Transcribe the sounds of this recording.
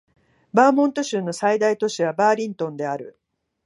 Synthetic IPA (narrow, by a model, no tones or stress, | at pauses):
baːmõ̞nt̪o̞ɕɨːno̞said̪ait̪o̞ɕiβabaːɾʲĩnt̪õ̞nd̪e̞aɾɯ̟̰